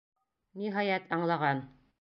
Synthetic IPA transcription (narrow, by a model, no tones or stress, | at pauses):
niɦɑjæt̪ɑɴlˠɑʁɑn